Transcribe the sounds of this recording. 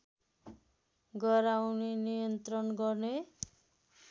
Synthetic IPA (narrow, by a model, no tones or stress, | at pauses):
ɡʌɾawnenijʌnt̪rʌnɡʌrne